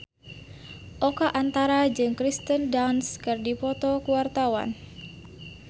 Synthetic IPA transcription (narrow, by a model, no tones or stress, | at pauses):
ʔɔkaʔant̪aɾad͡ʒɨŋkɾist̪əndanskɨrdipɔt̪ɔkuwart̪awa̰n